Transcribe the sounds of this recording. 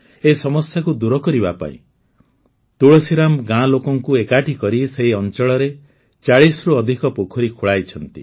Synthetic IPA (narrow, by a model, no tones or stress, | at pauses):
eisɔmɔsjakud̪uɾɔkɔɾibapa̰ḭ̃ | t̪uɭɔsiɾamɡãlokɔŋkuekaʈʰikɔɾiseɦiɔnt͡ʃɔɭɔɾe | t͡ʃaɭisɾuɔd̪ʱikɔpokʰɔɾikʰuɭajt͡ʃʰɔnt̪ḭ